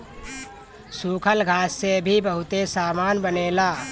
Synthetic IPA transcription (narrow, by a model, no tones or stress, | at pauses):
sukʰəlɡʱaːsːebʱibəɦʊt̪esaːmanbəneːlaː